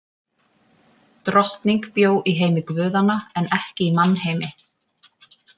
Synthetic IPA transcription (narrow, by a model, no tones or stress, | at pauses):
t̪ɾɔht̪niŋkpjoːwʔiɦeːjmɪkvʏːðanaɛnɛhcɪimanːɦeːjmɪ